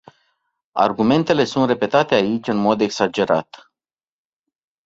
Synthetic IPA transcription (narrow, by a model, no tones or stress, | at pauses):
a̰rɡume̞nt̪e̞le̞sunt̪re̞pe̞t̪at̪e̞ait͡ʃʲɨnmo̞d̪e̞ksad͡ʒe̞ɾat̪